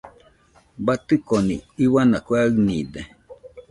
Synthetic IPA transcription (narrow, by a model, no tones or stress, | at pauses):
bat̪ɨkonḭiβanakwaɨnid̪e